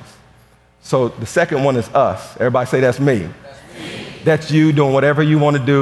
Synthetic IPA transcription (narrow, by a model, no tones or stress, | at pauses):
soʊðɨsɛkɨ̃nwʌ̃nɨzʌsɛvɹibɑɾiseɪðætsmi | ðætsjɨduɪ̃ŋwʌɾɛvə˞jɨwɑ̃nɨdɨ